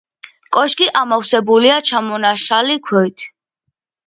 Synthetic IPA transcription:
kʼɔʃɡʼiʔamɔwsɛbuliat͡ʃʰamɔnaʃalikʰwɛt̪ʰ

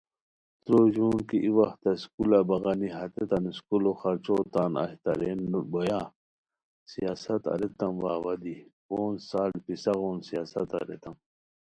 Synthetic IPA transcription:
t̪ɾoːʑuːnkiʔiwɐxt̪ɐskulabɐɣɐniɦɐt̪et̪ɐniskuloxɐɾt͡ʃoːt̪aːnɐ̰ht̪ɐ̰ɾenbojaː | sijaːsɐt̪ɐ̰ɾet̪ɐmwaːwɐd̪i | oːnsaːlpisɐɣoːnsijaːsɐt̪ɐ̰ɾḛt̪ɐm

